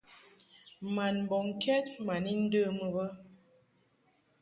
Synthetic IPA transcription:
ma˨n˨bɔ˨ŋ˨kɛ˦t̚ma˨ni˦n̩˦də˦˨mə˨bə˦

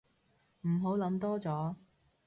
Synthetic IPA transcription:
m̩˨˩ɦo˨˥wlɐ˨˧˥mt̪ɔː˥t͡sɔː˨˥

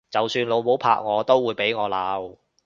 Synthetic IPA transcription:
t͡sɐ˨wsyː˧nlo˨˧wmo˨˥wpʰa̰ː˧˥k̚ŋɔː˨˧t̪o˥wːuː˨˧jpe˨˥jŋɔː˨˧laː˨˥w

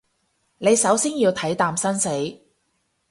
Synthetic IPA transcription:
ne˨˧jsɐ˨˥wsiː˥njiː˧wt̪ʰɐ˨˥jt̪aː˧msɐ˥nse˨˥j

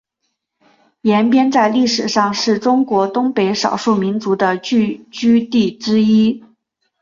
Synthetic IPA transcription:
jɛ˧˥npjɛ˥nt͡sa˥˧ɪli˥˩ʂɻ̩˨˩ʂɑ˥˧ŋʂɻ̩˥˩ʈ͡ʂʊ˥ŋkwɔ˧˥t̪ʊ˥ŋpe˧˥ɪʂɑ̰˨˩ʊʂu˥˩mi˧˥nt͡su˧˥d̪ə˧t͡ɕy˥˩t͡ɕy˥t̪i˥˩ʈ͡ʂɻ̩˥i˥

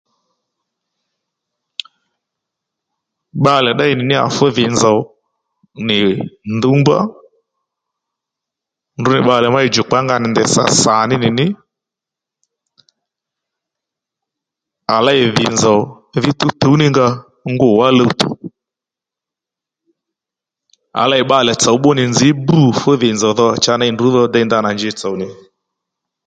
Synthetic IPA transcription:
ɓa˧lɛ˨ɗa˦ɪ˦˨nɪ˨nɪ˦a̰˨fɛ˦ðɪ˨nzɔ˨˦ | nɪ˨nd̪u˨˦mba̰˦ | ndʊ˨nɪ˨ɓa˧˨lɛ˨ma˦i˨d͡ʒʊ˨k͡pa˦ŋɡa˧nɪ˨nd̪ɛ˨sa̰˨sa˨nɪ˦nɪ˨nɪ˦ | a˨la˦ɪ˨ðɪ˨nzɔ˨ | ðɪ˦t̪ʊ˦to˨˦u˦nɪ˦ŋɡa˧ | ŋɡʊ˦˨wa˦lə˧u˦t̪ṵ˨ | a̰˨la˦ɪ˨ɓa˧˨lɛ˨t͡sɔ˨wɓʊ˦nɪ˨nd͡zɪ˨˦bu˨fʊ˦ðɪ˨nzɔ˨ðɔ˧˨t͡ʃa˧˦na˦ɪ˨ndu˨˦ðɔ˧dɛ˧nd̪a˧na˨nd͡ʒɪ˧˨t͡sɔ˨wnɪ˨

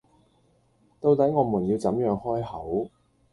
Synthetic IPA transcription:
t̪o˧wt̪ɐ˨˥jŋɔː˨˧muː˨˩njiː˧wt͡sɐ˨˥mjœː˨˧ŋhɔː˥jhɐ˨˥w

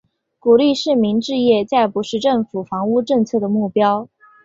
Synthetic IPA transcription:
ku˨˩li˥˧ʂɻ̩˥˩mi˧˥nʈ͡ʂɻ̩˥˧jɛ˥˧t͡sa˥˩ɪpu˧˥ʂɻ̩˥˧ʈ͡ʂɤ˥˩ŋfu˨˩fɑ˧˥ŋu˥˧ʈ͡ʂɤ˥˧ŋt͡sʰɤ˥˩d̪ə˩mu˥˩pjɑ˥ʊ

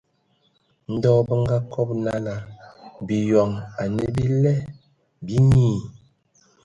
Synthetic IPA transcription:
n̩˦dɔː˦˨bə˦ŋ˦ɡa˦kʰɔ˦p̚na˦na˨bi˨jɔ˨ŋa˨ne˨bi˦lɛ˦ | bi˦ɲiː˦˨

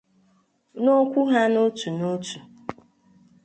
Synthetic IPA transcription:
no˦kʷʊ˦ɦa˦no˦tu˨no˦tu˨

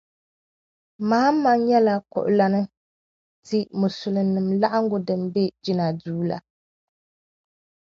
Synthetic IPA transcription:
maː˦m̩˦ma˦ŋ˦ɲɛ˦la˦kɔ̰˨ʔʊ̰˨la˦nɨ˦ | tɨ˦mʊ˨sʊ˨lɨ˨nɨ˨mla˦ʔa˦ŋ˦ɡʊ˨dɨ˨mbɛ˦d͡ʒi˦na˨duː˦la̰˨

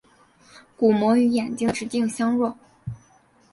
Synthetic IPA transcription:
ku˨˩mwɔ˧˥y˧˥jɛ˨˩nt͡ɕi˥ŋʈ͡ʂɻ̩˧˥t̪i˥˩ŋɕjɑ˥ŋɻwɔ˥˩

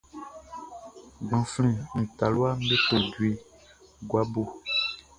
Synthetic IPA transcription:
ɡ͡bã˨flĩ˨ñ̩˨ta˨lwa˦m˦be˦po˨dwi˨ | ɡwa˦bo˨

